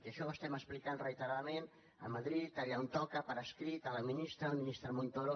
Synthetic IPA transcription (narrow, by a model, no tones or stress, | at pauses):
keəʃɔwəst̪ɛməsplikanrəit̪əɾaðamen | ə̰maðɾit̪aβiaunt̪ɔkəpəɾəskɾit̪ələminist̪ɾəlminist̪ɾəmont̪oɾo